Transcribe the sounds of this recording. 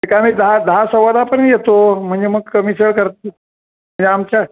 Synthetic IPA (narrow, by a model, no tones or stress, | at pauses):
əkamiːd̪əɦad̪əɦasəʋəd̪apəɳjet̪om̤əɳd͡zeməɡəmisəɭkəɾt̪̚e | m̤əɳd͡zeamt͡ɕa